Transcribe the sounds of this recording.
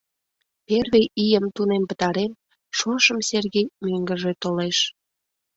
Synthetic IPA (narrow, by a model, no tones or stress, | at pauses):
perβeʔijəmt̪unempət̪ɑɾem | ʃoʃəmserɣejmøŋɡəʒet̪oleʃ